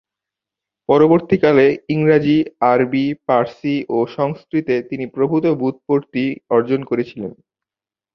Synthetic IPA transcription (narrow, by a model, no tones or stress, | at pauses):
pɔɾoboɾt̪ikaleiŋɾad͡ʑiaɾbipaɾsiʔoʃɔŋskɾit̪et̪inipɾobʱut̪obut̪̚poɾt̪iɔɾd͡ʑonkoɾet͡ɕʰilen